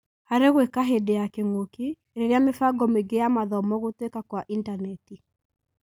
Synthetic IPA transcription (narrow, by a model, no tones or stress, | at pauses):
haɾeɣwekaɦedejakeŋoki | ɾeɾeamefaɡɔmeɡejamaðɔmɔɣotwekakwaʔindanɛti